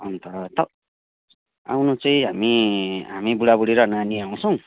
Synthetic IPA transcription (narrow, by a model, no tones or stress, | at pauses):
ʌnt̪ʌt̪ʌ | a̰wnot͡sʌĩɦamiɦamibuɽabuɽiɾʌnaniaw̃t͡sʰʌw̃